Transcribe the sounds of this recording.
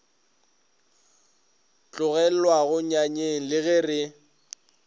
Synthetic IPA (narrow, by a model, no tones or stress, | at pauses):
t͡ɬʼʊɣɛl̩waɣʊɲaɲeŋ̩lɪɣɪrɪ